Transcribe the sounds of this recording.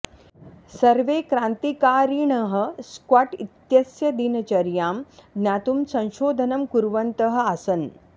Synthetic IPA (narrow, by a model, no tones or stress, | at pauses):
sɐɾʋekɾãːnt̪ikaːɾiɳəɦə̆skwaʈit̪jɐsjɐd̪inɐt͡ʃɐɾjaːmnjaːt̪umsɐ̃w̃ʃoːd̪ʱɐnɐmkuɾʋɐnt̪əɦə̆asɐn